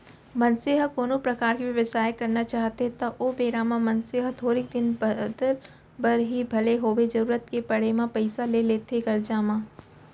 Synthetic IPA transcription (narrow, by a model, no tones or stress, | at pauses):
mɐ̃nseɦakoːnõpɾɐkaːɾkiʋjɐʋəsaːjkɐɾnat͡ʃaːɦt̪eɦt̪ɐʔobeːɾaːmãmɐnseːɦət̪ʰoːɾɪk̚d̪ɪnbd̪əl | bɐɾɦibʱɐleɦoːʋed͡ʒɐɾuːɾət̪kepɐɽ̤emãpɐɪsaleleːt̪eɡɐɾd͡ʒaːmãː